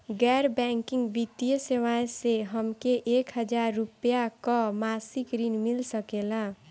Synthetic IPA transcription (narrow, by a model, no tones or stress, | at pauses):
ɡɛɾbɛ̃ŋkiŋɡbit̪ijəsewaeseɦəmkeʔekɦəd͡ʒaɾːupjakɔmasikɾinmilsəkelã